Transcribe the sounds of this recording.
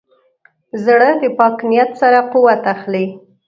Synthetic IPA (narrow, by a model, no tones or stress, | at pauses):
zɽəd̪əpɑknijat̪saɾapuwat̪axli